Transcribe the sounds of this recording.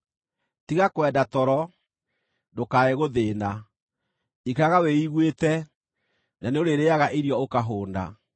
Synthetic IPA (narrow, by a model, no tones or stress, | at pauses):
tiɣakwɛdatɔɾɔ | dokaeɣoðeːna | ikaɣaweiɣwetɛ | naneoɾeɾeaɣaʔeɾjɔokaɦoːnda̰